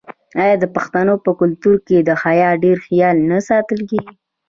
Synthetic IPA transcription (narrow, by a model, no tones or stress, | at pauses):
ɑjɑd̪əpaxt̪anopəkʊlt̪uɾked̪əxajɑɖeɾxijɑlnasɑt̪əlkeɡi